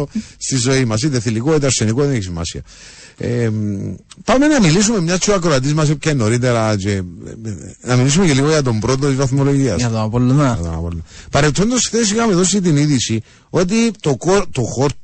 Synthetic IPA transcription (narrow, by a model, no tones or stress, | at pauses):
ost̪izo̞imɐs̬it̪eθilikoit̪ɐɾsenikoðeneçisimɐ̰siɐ̰ | e | pame̞nɐmilis̬ume̞mɲɐst͡ʃuɐkɾoat̪̬izmɐs̬epcenoɾit̪eɾat͡ʃe | nɐmilis̬umeceliɣoʝɐt̪̬o̞mbɾo̞t̪̬ot̪izvɐθmolo̞ʝiɐ̰sɐt̪onapolːa̰t̪ona̰po̰lnɐpɐɾet̪ʰːo̞nd̪osθes̬ixɐmeðo̞s̬it̪̬iniðisi | o̞t̪̬it̪okoɾt̪oxoɾ